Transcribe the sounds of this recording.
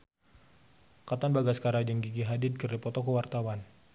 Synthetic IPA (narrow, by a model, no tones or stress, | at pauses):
kat̪anbaɡaskaɾad͡ʒəŋɡiɡiɦadɪd̪̚kərdipɔt̪ɔkəwart̪awan